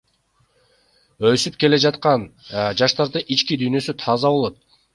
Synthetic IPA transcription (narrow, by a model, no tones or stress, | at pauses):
øsyp̚ke̞le̞d͡ʒɑt̪qɑnd͡ʒɑʃt̪ɑɾd̪ɯʔit͡ʃkid̪yjnø̞syt̪ʰɑzɑβo̞lˠo̞t̪̚